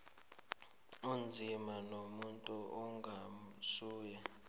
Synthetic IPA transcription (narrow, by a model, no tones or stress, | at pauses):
und͡zʱimanomuntʼuʔɔŋɡʱamsuːjɛ